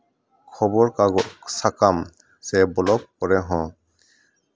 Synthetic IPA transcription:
kʰɔbɔɹkaɡɔʔsakam | sɛbɔlɔp̚kɔɹɛɦɔ̃

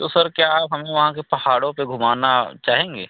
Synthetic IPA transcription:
t̪osɐɾkjaːpɦɐmẽʋɐɦãkepɐhaːɽõpeɡʱʊmaːnat͡ʃaːɦẽːŋɡḛː

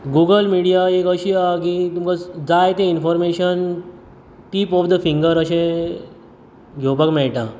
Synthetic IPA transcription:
ɡuɡəlmiɽijaekəɕiːak̬it̪umkad͡zajt̪einfɔɾmeɕən | ʈiːpɔfd̪əfĩŋɡəɾəɕẽ | ɡʱopəkmɛɭʈã̰

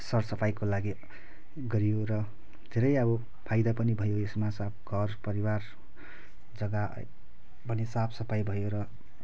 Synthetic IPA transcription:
sʌrsʌpʰajkolaɡi | ɡʌɾijoɾʌ | d̪ʱeɾʌjʌbʌ | pʰajd̪apʌnibʱʌjoesmasap̚ʰɡʱʌrpʌɾiwar | d͡zʌɡa̰ | bʌnisapʰsʌpʰajbʱʌjoɾʌ

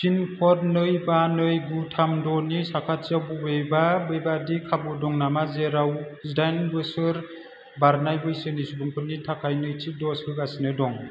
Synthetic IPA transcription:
sʰinpʰɔɾnɯjbanɯjbutʰamdɔnisakʰat̚t͡ʃabubejbabejbadikʰabudɔŋnamazeɾawsdajnbɯsɯɾ | baɾnajbɯjsɯnisubɯŋpʰɯnitʰakʰajnɯjtʰik̚dɔshɯkasinɯdɔŋ

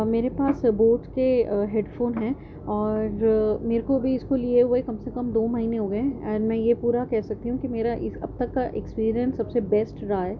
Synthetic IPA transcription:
meːɾepaːsboːʈkeɦeːɖfoːnɦɛ̃ː | ɔːɾmeːɾkoɐbʱiɪskolieɦʊekɐmsekɐmd̪oːmɐɦiːneɦoːɡɐẽɛ̃ɾmɛ̃ːjepuːɾakɛɦsɐk̚t̪iɦũkimeːɾaʔɪsɐ̰b̚t̪ɐkːaʔekspiːɾijə̃nsːɐbsebɛːsʈɾɐɦaɦɛː

